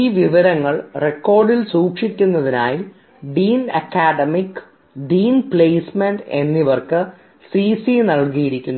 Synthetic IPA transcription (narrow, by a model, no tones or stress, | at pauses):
iːʋiʋɐɾɐŋːɐɭrekːo̞ːrɖilsuːkʂikʲːunːɐðina̰ːji | ɖiːnɐkːaːɖɐmikː | ɖiːnpɭeːsmeɳɖe̞nːiʋɐrkɨ | siːsinɐɭkijiɾikʲːunːu